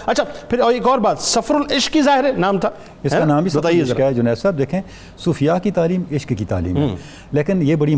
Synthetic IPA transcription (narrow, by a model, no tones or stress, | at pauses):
ɐtːt͡ʃʰaːpʰɪɾɔːeːkɔːɾbaːt̪sɐfɾʊlɪʃkːizaːɦɪɾɛnaːmt̪ʰaː | ɪsanãːmbʱisɐt̪aːekad͡ʒʊnɛːssaːb̚d̪eːkʰẽː | suːfijakit̪aːliːmɪʃkkit̪a̰ːlḭːm̰ː | leːkɪnjeːbɐɽi